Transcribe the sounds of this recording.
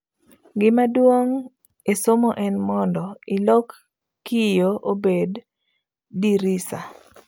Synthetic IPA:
ɡɪmadwoŋ | esomoʔɛnmɔndɔɪlɔkː | ijoʔobedː | iɾisa

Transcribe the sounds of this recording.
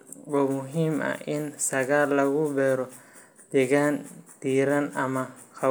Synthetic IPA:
wɔːmʊɦiːmɐ̰ɪnsɐɣaːlːɐɣʊbɛːɾɔ | d̪̥ɛɣand̪̥iːɾɐnɐmɐxɐ

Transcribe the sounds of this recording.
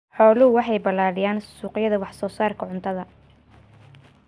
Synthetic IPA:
ħɔːlʊʊwɑħɑjbɐlaːɽɪjaːnsuːqjɐðɐwɑħsɔːsaːrkʰɐʕʊnt̪ʰɐðɐ

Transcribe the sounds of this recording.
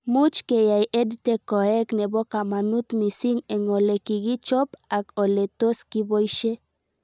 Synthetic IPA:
mut͡ʃkejajed̪t̪ekoeknebokamanut̪misiŋeŋolekiɡit͡ʃopakolet̪oskibojʃe

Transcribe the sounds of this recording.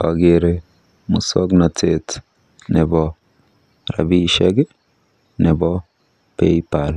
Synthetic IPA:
aɡeɾe | musɔknatet | nɛbɔ | ɾa̰biʃɛɡɛ | nɛbɔ | peipal

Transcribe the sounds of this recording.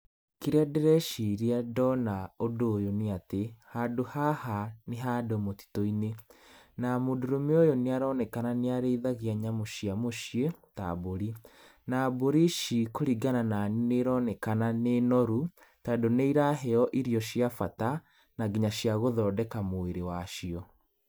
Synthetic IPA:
kiɾeadɛɾɛʃiɾiadɔnaodoːjoneatehadohahaneɦadomoti̥toinenamodoɾomeojɔneaɾɔnɛkananeaɾeiðaɣiaɲamoʃiamoʃieta̰boɾi | naboɾiʃikoɾiɡanananineɾɔnɛkananenɔɾu | tadoneiɾaɦɛɔʔiɾiɔɕijafata | naɡiɲaɕijaɣoðɔːdɛkamoeɾewaʃiɔ

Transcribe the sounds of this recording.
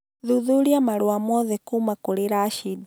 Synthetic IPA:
ðuðuliamalwwamɔðɛkumakuɾeɾaʃid

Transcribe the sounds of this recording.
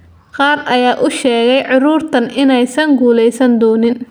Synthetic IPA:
qɑːrʔɐjaːʔʊʃɛːɣɛjʕʊɾuːrt̪ʰɐnɪnɛjsɐŋɡuːlɛjsɐnd̪ɔːnɪn

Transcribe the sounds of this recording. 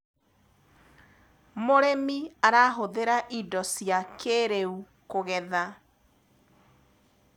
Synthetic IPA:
moɾemiaɾaːɦoðeɾaʔidɔsjakʰeɾeu | koɣɛða

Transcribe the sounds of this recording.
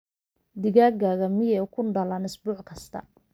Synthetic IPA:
d̪ɪɣaːɡaːɣɐmɪjɛkʰʊɳɖɐlɐnɪsbuːʕkʰɐst̪ʰɐ̰

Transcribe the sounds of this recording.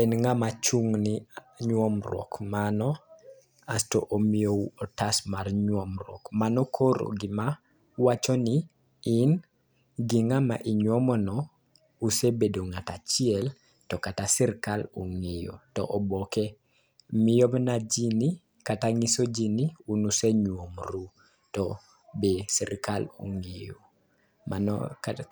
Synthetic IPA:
ɛnŋamat͡ʃuŋniɲwɔmrwɔ̰kmanɔ | astɔ̰ʔomioɔtasmarɲwɔmɾɔ̰kmanɔkʰoɾo̰ɡɪma | wat͡ʃɔnɪ | ɪn | ɡiŋama̰ʔiɲwɔmɔnɔ | usebedoŋatat͡ʃɪɛl | tɔkatasɛɾkaloŋejo̰tɔ̰ʔɔbɔkɛ | mɪjɔbnad͡ʒini | kataŋisod͡ʒiniunuseɲwomɾu | tɔ | besɛɾkalṵŋejo | ma̰n̰

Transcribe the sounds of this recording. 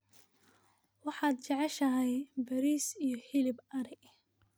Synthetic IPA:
wɑħɑːd̪̚t͡ʃɛʕɛʃɐɦɛjbɐɾiːsijɞhɪlɪbɐɾɪɡ

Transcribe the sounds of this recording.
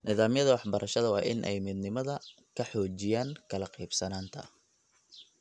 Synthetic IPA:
nɪðaːmjɐðɐwɑħbɐɾʔɐʃɐðɐwɑ̰ːʔɪnʔɛ̰jmɪd̪nɪmɐðɐ | kʰɐħɔːt͡ʃɪjaːŋkʰɐlɐqɛjbsɐnaːnt̪ʰɐ̰

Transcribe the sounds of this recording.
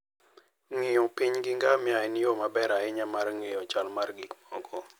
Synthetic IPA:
ŋɪjopiɲɡɪŋɡamɪaɪnijomabɛɾaɪɲamarŋejɔt͡ʃalmarɡikmɔɡɔ

